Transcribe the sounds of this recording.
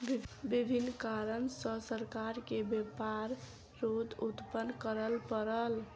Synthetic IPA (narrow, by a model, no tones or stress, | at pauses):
bibʱinːkaɾənsəsəɾkaɾkebepaɾː | od̪ut̪pənkəɾəlpəɾəl